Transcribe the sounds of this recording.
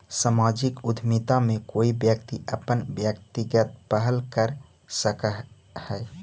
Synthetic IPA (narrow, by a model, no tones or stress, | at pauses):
samaːd͡ʒɪkʊd̪ʱmɪt̪amẽkoːibjəkt̪iəpənbjəkt̪ɪɡət̪̚pəɦəlkəɾ | səkəɦ | hɛː